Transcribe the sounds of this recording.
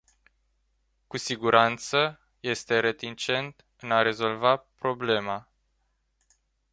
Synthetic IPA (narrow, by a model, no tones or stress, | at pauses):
kusiɡuɾʔant̪sə | je̞st̪e̞ɾe̞t̪int͡ʃe̞nt̪ | ɨnaɾe̞zo̞lvapɾo̞ble̞ma